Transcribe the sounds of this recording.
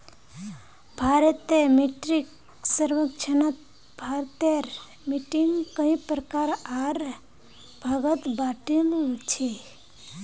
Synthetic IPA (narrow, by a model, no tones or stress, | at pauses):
bʱaɾət̪emeʈɾik | səɾʋəkt͡ʃʰənət̪̚ | bʱaɾt̪eɾ | miʈiŋkəĩpɾəkaɾaɾ | bʱəɡət̪baʈilt͡ʃʰe